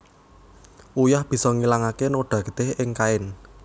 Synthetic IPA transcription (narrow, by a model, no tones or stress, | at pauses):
ʔujahb̥i̤sɔŋilaŋakenoɖ̥ä̤ɡ̥ə̥t̪ɪhɪŋkaɪn